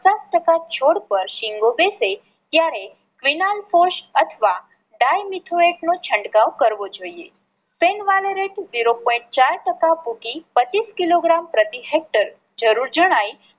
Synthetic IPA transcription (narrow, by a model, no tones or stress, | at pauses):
ət͡ʃasʈəkat͡ʃʰoɽpəɾʃiŋɡobese | t̪jaɾe | kʋinalfoʃət̪ʰʋa | ɖajmit̪ʰoeʈnot͡ʃʰəɳɖkãwkəɾʋod͡ʒoiḛ | fenʋaleɾeʈziɾopɔĩɳʈ̚t͡ʃaɾʈəkapukipət͡ʃiskiloɡɾampɾət̪iɦek̚ʈəɾ | d͡ʒəɾuɾd͡ʒəɽ̃aj